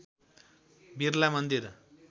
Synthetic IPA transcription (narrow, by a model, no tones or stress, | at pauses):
birlamʌnd̪iɾ